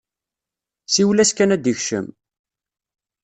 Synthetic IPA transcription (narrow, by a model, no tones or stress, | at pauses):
siwlæskænæd̪əçʃə̰m